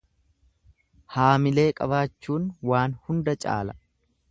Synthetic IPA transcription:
haːmɪle̞ːkʼɐβaːt͡ʃːuːnwaːnhʊnd̪ɐt͡ʃʼa̰ːlɐ

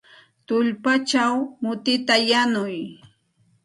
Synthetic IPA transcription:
t̪ʊʎpat͡ʃawmʊt̪ɪt̪ajanʊj

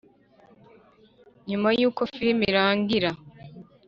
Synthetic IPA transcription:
ɲumajuːko̞fiɾimiɾaːŋɡiɾa

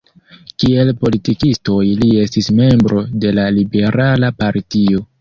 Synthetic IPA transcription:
kie̞lpo̞litikisto̞jlie̞stisme̞mbɾo̞de̞lalibe̞ɾʔalapaɾtio̞

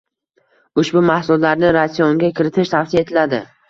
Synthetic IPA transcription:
ʊʃbʊmahsʊllaɾnɪɾasijoŋɡʲakʲʰɪɾɪt̪ʰɪʃt̪ʰafsijaet̪ʰɪlad̪ɪ

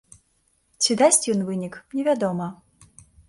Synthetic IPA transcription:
t͡sʲid̪asʲt͡sʲjɔnvɨnʲiknʲɛvʲad̪ɔmɐ

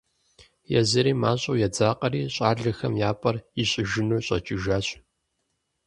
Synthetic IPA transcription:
jɛ̰zɐɾiːmaːɕʼɐwjɛd͡zaːqʼɐɾiːɕʼaːɮɐxɐmjaːpʼɐriɕʼɪʒɪnuːɕʼɐ̰t͡ʃʼɪʒaːɕ

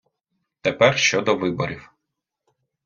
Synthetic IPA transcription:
t̪epɛrʃt͡ʃɔd̪ɔʋɪbɔɾʲiw

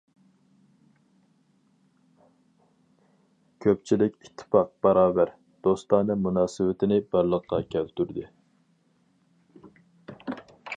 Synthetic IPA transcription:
kʲʰøp̚t͡ʃʰilɪkʲit̪ʰːɪ̥pɑq̚bɑɾɑːbæɾ | d̪̥ost̪ɑːnɨmunɑːsɨwɪt̪ʰɪnɪbæɾlˠəqːɑkʲʰɛlt̪yɾd̪ɪ

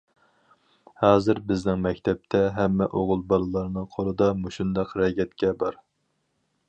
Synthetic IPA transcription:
hɑːzɨɾbɪznɪŋmɛkʲt̪ʰɛp̚t̪ʰɛɦɛmːɛʔoʁʊlˠbɑlˠɨlˠɑɾnɨŋqʰolˠɨd̪ɑmoʃund̪ɑqɾɛɡʲɛt̪kʲɛbɑɾ

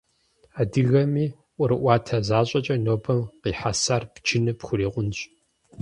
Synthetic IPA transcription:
aːdɨɣɐmiː | ʔʷʊɾɨʔʷɑːtʰɐzaːɕʼɐt͡ʃʼɐnoːbɐmqiːħasarpt͡ʃʰɪnɨpxʷʊɾiːqʷʊnɕʼ

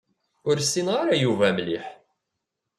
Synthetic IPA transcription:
ʊɾsːinʁaɾajuvæmliħ

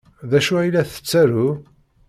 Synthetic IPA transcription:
ðæʃuæjlæθə̥t͡sːæɾu

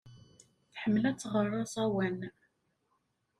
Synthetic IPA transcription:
θħəmːlæt͡sːʁərˤːɑsˤæwæn

